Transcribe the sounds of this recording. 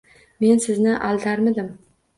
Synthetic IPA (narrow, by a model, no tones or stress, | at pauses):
me̞nsɪznɪʔalˠt̪ʰaɾmɪd̪ɪm